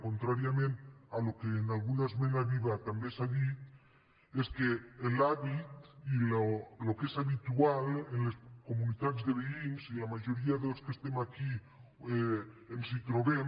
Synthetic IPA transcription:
kont̪ɾaɾjamẽnt̪alo̞keːnalɣunazmẽnaβiβat̪ambesaβit̪ | eskeːlaβit̪illokesaβit̪ualenlesko̞mũnit̪aðzðeβeinsilamaʝo̞ɾiaðeloskest̪emaki | ensit̪ɾoβe

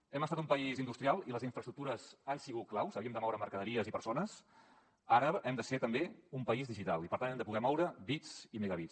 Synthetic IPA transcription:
ɛməst̪at̪umpəizind̪ust̪ɾialˠiləziɱfɾəst̪ɾuk̚t̪uɾəzansiɣut̪̚klawsəβiəmd̪əmɔwɾəməɾkəðəɾiəzipəɾsonəs | aɾəʔɛmd̪əseɾt̪əmbeumpəizðiʒit̪alipəɾt̪anɛmd̪əpuɣɛmɔwɾəbizimeɣəβi

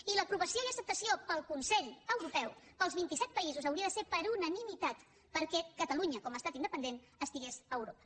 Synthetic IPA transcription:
iləpɾuβəsioiəsəp̚t̪əsiopəlˠkunsɛʎəwɾupɛwpəlˠzβint̪isɛt̪̚pəizuzəwɾiəðəseɾpəɾunənimit̪at̪ | pəɾkɛkət̪əluɲəkɔməːst̪at̪ind̪əpənd̪en | əst̪iɣesəːwɾopə̥

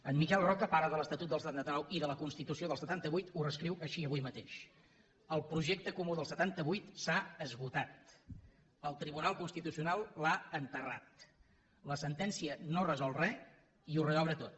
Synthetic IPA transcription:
ənmikɛlˠrɔkəpaɾəðələst̪ət̪ut̪̚d̪ələst̪at̪nət̪ənawiðələkunst̪it̪usioðəlˠsət̪ant̪əβujt̪urəskɾiwʔəʃiəβujmət̪eʃ | əlˠpɾuʒek̚t̪əkumuðəlˠsət̪ant̪əβujt̪saəzβut̪at̪̚ | əlˠt̪ɾiβunalˠkunst̪it̪usiunalˠlaənt̪əra̰t̪ | ləsənt̪ɛnsiənorəzɔlˠrɛ | iurəɣɔβɾət̪ot̪

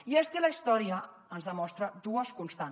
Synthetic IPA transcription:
iezðiləist̪ɔɾiə | ənzðəmɔst̪ɾəd̪uəskunst̪a

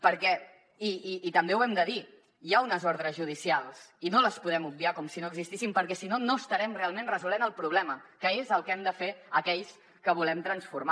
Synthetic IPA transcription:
pəɾkɛ | iːt̪əmbewɛmd̪əði | jaunəzɔɾðɾəzʒuð̞isialˠsinoləspuðɛmub̚biakɔmsinoəɡzist̪isimpəɾkɛsinonost̪əɾɛmrealˠmẽnrəzulenəlˠpɾuβlɛməkəezəlˠkɛmd̪əfeəkɛʎs | kəβ̞ulɛmt̪ɾənsfuɾma

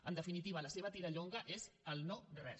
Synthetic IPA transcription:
ənd̪əfinit̪iβ̞ələseβət̪iɾəʎoŋɡəʔezəlˠnɔrɛ

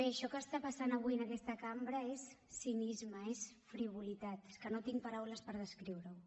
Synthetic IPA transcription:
beʃɔkəːst̪apasanəβ̞uiənəkɛst̪əkambɾəesː | inizməes | fɾiβ̞ulit̪at̪skənot̪iŋpɐɾawləspəɾð̞əskɾiwɾəw

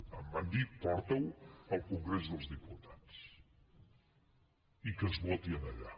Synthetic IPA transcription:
ɐmɐnd̪ipɔɾt̪ɐwawkuŋɡɾɛs̬ðozðiput̪at̪s | ikəzβɔt̪iɐnɐʎa

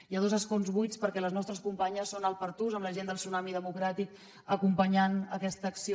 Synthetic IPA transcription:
iəðozəskonzβujt͡spəɾkɛləznɔst̪ɾəskumpaɲəsːonəlˠpəɾt̪uzəmləʒend̪əlˠsunamiðəmukɾat̪ik | əkumpəɲanəkɛst̪əːksi

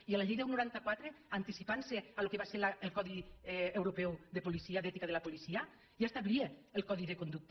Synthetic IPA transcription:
ialaʎejðaunuɾant̪akwat̪ɾeant̪isipansealokeβaseɾlaelkɔðiewɾopɛwðepolisiaðɛt̪ikað̞elapolisia | ʒaest̪aβɾieːlˠkɔðiðekond̪uk̚t̪

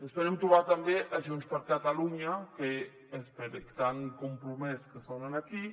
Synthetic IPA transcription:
espəɾemt̪ɾuβat̪ambeʔaʒunspəɾkat̪aluɲake | espeɾekt̪aŋkumpɾumɛskəsonənaki

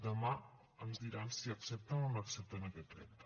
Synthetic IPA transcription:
d̪əma | əmzd̪iɾansiəksep̚t̪ənonəksep̚t̪ənəkɛt̪ːɾɛ̰t̪

